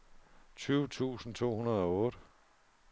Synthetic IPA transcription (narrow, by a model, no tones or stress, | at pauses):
t͡sʰyːʊt͡sʰṵːsn̩t͡sʰo̝̰ːhunɐð̞ˠɒ̽ɔ̽ːɾ̥ə